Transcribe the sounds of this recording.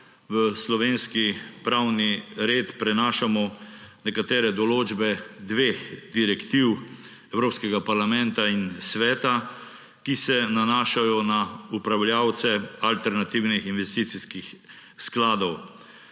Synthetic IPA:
ʋəslɔʋeːnskipɾawniɾeːt̪pɾɛnaːʃamɔnɛkat̪eːɾɛd̪ɔloːd͡ʒbɛd̪ʋeːxd̪iɾɛkt̪iw | ɛwɾoːpskɛɡapaɾlamɛnt̪ainsʋɛːt̪a | kisɛnanaːʃajɔnaupɾawljawt̪sɛalt̪ɛɾnat̪iwnixinʋɛst̪iːt̪siskix | sklaːd̪ɔw

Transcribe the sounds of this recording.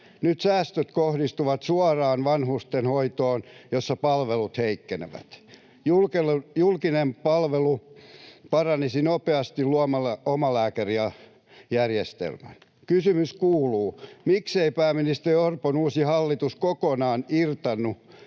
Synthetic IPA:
nyt̪sæːst̪øt̪kohdist̪uʋɑt̪suɑrɑːnʋɑnhust̪enhoit̪oːnjosːɑpɑlʋelut̪heikːenḛʋæ̰t̪ | julkelujulkinempɑlʋelu | pɑrɑnisinopeɑst̪illuɑmɑlomɑlæːkæriɑ | jærjest̪ḛlmæ̰n | kysymyskuːluːmikseipæːminist̪eriorponuːsihɑlːit̪uskokonɑːnirt̪ɑnːu

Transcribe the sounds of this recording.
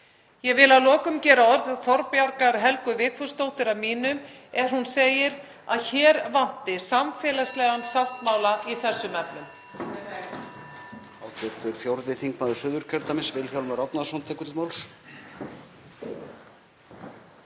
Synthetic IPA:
jɛɣvɪlaðlɔːkʏmcɛːɾaɔɾðθɔɾpjaɾkaɾɦɛlkʏvɪːkfʏst̪owt̪ɪɾavmiːnʏmɛɾ̥hunseːjɪɾ | a̰ðçɛːɾvan̥t̪ɪsamfɛːlast̪lɛːɣansaw̪̥t̪maːwlaiθɛsːʏmɛpnʏm | awt̪ʰɛɾ̥t̪ʏɾfjowɾðɪθiŋkmaːwðʏsʏːðʏɾ̥cʰœɾt̪amɪnsvɪlfjawlmaɾɔpnaðsɔnt̪ʰɛːkʏt̪ɪmawls

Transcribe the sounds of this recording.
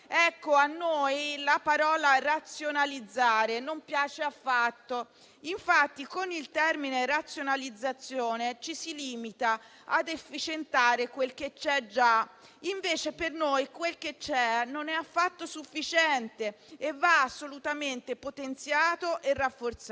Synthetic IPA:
ɛkːoanːojlapaɾɔːlarat̪sːjonalid̪zːaːɾenompjaːt͡ʃeafːat̪ːo | iɱfat̪ːikonilt̪ɛrminerat̪sjonalid̪zːat̪sːjoːnet͡ʃisiliːmit̪a | ad̪efːit͡ʃent̪aːɾekwelk̟et͡ʃːɛd͡ʒaiɱveːt͡ʃepernojkwelket͡ʃːɛnonɛafːat̪ːosufːit͡ʃɛnt̪e | evaːsːolut̪ament̪epot̪ent̪sjaːt̪oʔerːafːort̪s

